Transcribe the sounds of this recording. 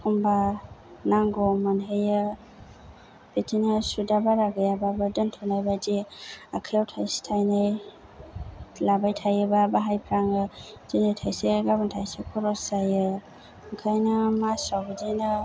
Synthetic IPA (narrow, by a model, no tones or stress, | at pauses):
kʰumbanaŋɡɔmanɦejɯ | betʰinasudabaɾaɡɯjababadɯntʰɔnajbadiakʰajawtʰajsi̥tʰajnaj | labajtʰajɯbabaɦajpʰɾaŋɯz̥inɯjtʰajseɡabantʰajsekʰɔɾɔsajɯ | kʰajnamasawbɯdina